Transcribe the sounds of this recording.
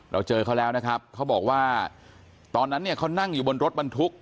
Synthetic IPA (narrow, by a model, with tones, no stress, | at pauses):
ɾʔa̰˧wt͡ɕɤː˧kʰa˥˩wlɛː˦˥wna˦˥kʰa˦˥p̚kʰa˦˥wbɔː˨˩k̚waː˥˩ | t̪ɔː˧nːa˦˥nːi˥˩ɐkʰa˥˩wna˥˩ŋjuː˨˩bo˧nɾo˦˥t̪̚ba˧nt̪ʰu˦˥k̚